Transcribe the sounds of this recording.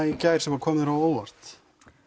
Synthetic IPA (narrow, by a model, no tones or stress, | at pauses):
icaːjɾ̥ɛmvaɾkʰɔːmɾawoːwvar̥t̪